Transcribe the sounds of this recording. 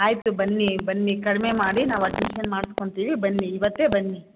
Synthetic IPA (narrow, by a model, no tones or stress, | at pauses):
aːjit̪ubɐnːibɐnːikɐɽmemaːɽinaːʋɐɖmiʃɐnmaːɽsko̞ɳt̪iːʋibɐnːiːʋɐt̪ːeːbɐnːi